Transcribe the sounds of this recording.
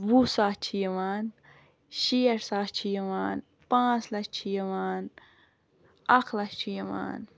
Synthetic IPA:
wusaːt͡ʃʰijɐʋaːn | ʃijɐɾsaːt͡ʃʰijɐʋaːn | pãːt͡slɐst͡ʃʰijɐʋaːn | ɐkʰlɐst͡ʃʰijɐʋa̰ːn

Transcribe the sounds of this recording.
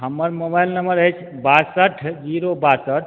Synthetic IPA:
ɦəmːəɾmobajlnəməɾəjt͡ʃʰ | basəʈʰd͡ʒiɾobasəʈ̚ʰ

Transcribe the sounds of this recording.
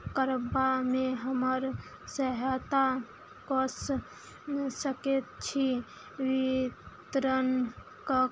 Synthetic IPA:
kəɾbameɦəməɾ | səɦat̪a | kɔs | səket̪t͡ʃʰi | ʋit̪ɾən | kə

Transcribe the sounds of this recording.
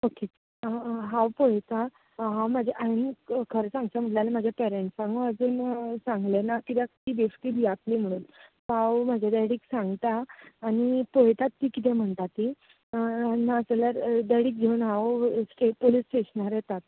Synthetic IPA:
oke | ɦãwpɔjt̪a | ɦãwmad͡ʑʱaʔainkʰəɾsãŋɡt͡ɕam̤əʈlalamad͡ʑʱjapɛɾeɳʈsãŋɡuəd͡zuːnsãŋɡlenakit̪jat̪iːbeskiːb̪ijak̪liːm̤əɽ̃uːnpawmad͡ʑʱjad̪ajɽiːksãŋɡt̪aːñipojt̪at̪ːiːkit̪ɛ̃m̤əɳt̪at̪ːi | naəsəlaɾd̪ajɽiːk̚ɡʱewnɦãwsʈeʈ̚polisʈeɕnaɾjɛt̪at̪̚

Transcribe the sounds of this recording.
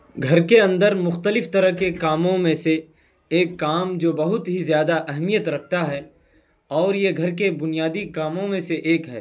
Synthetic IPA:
ɡʱɐɾkeɐ̃nd̪əɾmʊxt̪əlɪft̪ɐɾəɦkekaːmõmẽse | eːkːaːmd͡ʒoːbɐɦʊt̪ɦizjaːd̪aʔɛɦmijət̪ɾɐkʰt̪aɦɛː | ɔːɾjeɡʱɐɾkebʊnijaːd̪ikaːmõmẽseʔeːkɦɛ̰ː

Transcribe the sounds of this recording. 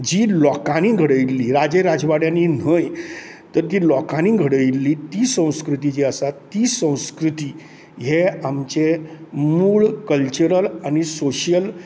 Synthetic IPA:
d͡ʑiːlɔkãnĩːɡʱəɽəjlːiːɾad͡ʑeɾad͡zʋaɽjãnin̤əj | t̪əɾt̪iːlɔkãnĩːɡʱəɽəjlːiːt̪iːsə̃w̃skɾut̪id͡ʑeəsat̪iːsə̃w̃skɾut̪iː | ɦeamt͡ɕemuːɭkəlt͡ɕəɾəlanisoɕjəl

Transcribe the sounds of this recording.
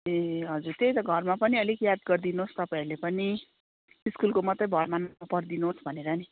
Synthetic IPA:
eɦʌd͡zurt̪ejt̪ʌɡʱʌrmapʌniʌlikjad̪̚ɡʌrd̪inost̪ʌpaĩlepʌni | iskulkomʌt̪rʌjbʱʌɾmanapʌɾd̪inosbʱʌneɾʌni

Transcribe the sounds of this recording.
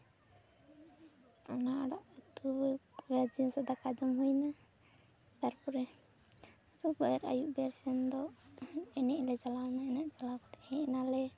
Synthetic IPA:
anaaɽaʔat̪uɡad͡ʒisad̪akad͡ʒɔmɦujna | t̪aɾpɔɾɛ | t̪ubaɛɾa̰juʔbɛɾsɛnd̪ɔ | ɛnɛʔlɛd͡ʒalawnaɛnɛʔd͡ʒalawt̪ɛhɛʔnalɛ

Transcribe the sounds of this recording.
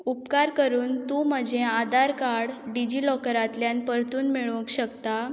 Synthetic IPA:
upkaɾkəɾuːnt̪um̤əd͡ʑʱẽad̪aɾkaɽɖid͡ʑiːlɔkəɾat̪ljanpəɾt̪uːnmiɭũkɕəkt̪a

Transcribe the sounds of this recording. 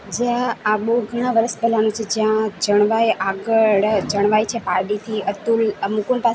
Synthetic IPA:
d͡ʒjãaɓoɡʱəɽ̃ãʋəɾəspɛlanũt͡ʃʰed͡ʒjãd͡ʒəɽ̃ʋajaɡəɭd͡ʒəɽ̃ʋajt͡ʃʰepaɾɖit̪ʰiət̪ulmukuɳpa

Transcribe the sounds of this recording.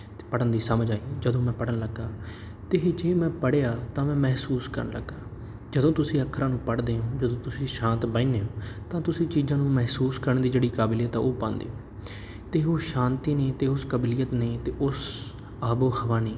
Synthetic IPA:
pəɽənd̪iːsəməd͡ʒaːiːd͡ʒəd̪õːmɛ̃ːpəɽənləɡːaː | t̪eːd͡ʒeːmɛ̃ːpəɽejaːt̪ãːmɛ̃ːmɛɦsuːskə̰ɾnlə̰ɡːaː | d͡ʒəd̪õːt̪ʊsĩːəkʰːəɾãːnũːpəɽd̪eːõːd͡ʒəd̪õːt̪ʊsĩːʃãːnt̪bəineːõːt̪ãːt̪ʊsĩːt͡ʃiːzãːnũːmɛɦsuːskəɾəɳd̪iːd͡ʒeːɽiːkaːbɪlijət̪aːoːpãːnd̪ḛːõː | t̪eːoːʃãːnt̪iːneːt̪eːʊskəblɪjət̪neːt̪eːʔʊs | aːboːhəʋaːneː

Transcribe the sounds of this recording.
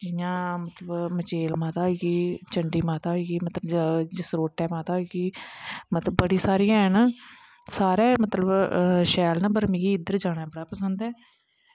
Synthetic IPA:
d͡ʒɪjãːmət̪ləbmət͡ʃeːlmaːt̪aːiɡiːt͡ʃəɳɖiːmaːt̪aːɦiɡiːmət̪ləbd͡ʒɪsɾoːʈɛːmaːt̪aːoɡiːmət̪ləbːəɽiːsaːɾijãːɦɛnaː | saːɾɛːmət̪ləbʃɛːlnəbəɾmɪɡiːɪd̪əɾd͡ʒaːɽaːbəɽaːpəsənd̪ɛː

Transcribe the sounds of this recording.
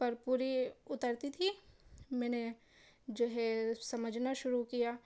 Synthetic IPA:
pɐɾpuːɾiʊt̪əɾt̪it̪ʰimɛ̃ːne | d͡ʒoːɦɛsɐməd͡ʒʱnaʃʊɾukijaː

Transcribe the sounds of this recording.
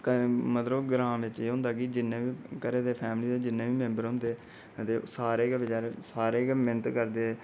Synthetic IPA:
kəmət̪ləbɡɾãːʋɪt͡ʃeːɦʊ̃nd̪aːkid͡ʒɪnːẽːʋiːkəɾeːd̪eːpʰɛːmliːd̪eːd͡ʒɪnːẽːʋiːmɛ̃mbəɾɦʊ̃nd̪eː | ət̪eːsaːɾeːkʋɪt͡ʃaːɾeːsaːɾeːkmɪnət̪kəɾd̪eː

